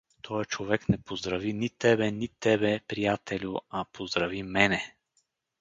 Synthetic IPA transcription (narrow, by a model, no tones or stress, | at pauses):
t̪ʰɔjət͡ʃovɛknɛpozd̪ɾɐvinit̪ɛbɛnit̪ɛbɛpɾijat̪ɛlʲʊɐpozd̪ɾɐvimɛnɛ